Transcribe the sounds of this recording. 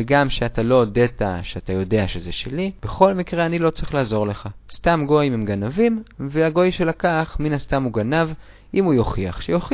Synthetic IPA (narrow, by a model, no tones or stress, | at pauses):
veɡamʃeatalo̞deta̰ʃeatajo̞de̞aʃe̞zeʃḛlib̥e̞χo̞lmikʁeanilo̞t͡sʁiχlaːzo̞ʁle̞χastamɡo̞jmemɡanavimveaɡo̞jʃe̞lakaχminast̪amuɡanav | imujo̞χiaχʃejoχ